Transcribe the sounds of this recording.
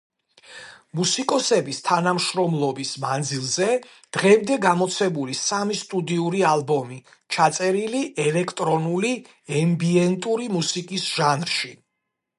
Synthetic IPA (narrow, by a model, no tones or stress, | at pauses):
musikʼɔsɛbist̪ʰanamʃɾɔmlˠɔbismand̪zilˠzɛ | d̪̥ʁɛmd̪ɛɡamɔt̪sʰɛbulisamist̪ʼud̪iuɾialˠbɔmi | t͡ʃʰat̪sʼɛɾiliʔɛlɛkʰt̪ʼɾɔnuli | ɛmbiɛnt̪ʼuɾimusikʼisʒ̥anɾʃi